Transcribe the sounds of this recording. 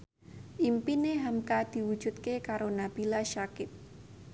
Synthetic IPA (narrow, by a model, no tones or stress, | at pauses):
ʔimpineɦamkad̪̥i̤wud̥ʒ̥ṳt̪̚kekaɾonab̥i̤laʃakɪt̪̚